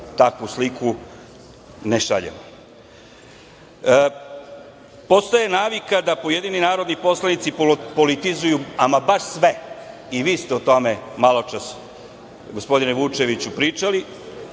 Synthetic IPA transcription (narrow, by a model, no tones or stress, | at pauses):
t̪akʋuslikʰu | neʃaʎḛmo | po̞st̪ajenaːʋikad̪apoje̞d̪ininaːɾo̞d̪nipo̞slˠanit̪sipo̞lit̪izujuamabaʂsʋe̞ | iʋiːst̪eot̪o̞me̞malˠo̞t͡ʃas | ɡospo̞d̪ineʋut͡ʃe̞ʋit͡ɕupɾiːt͡ʃali